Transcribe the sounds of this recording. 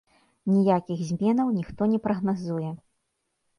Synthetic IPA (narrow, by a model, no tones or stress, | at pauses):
nʲijakʲiɣzʲmʲɛnɐwnʲixt̪ɔnʲɛpɾɐɣnazujɛ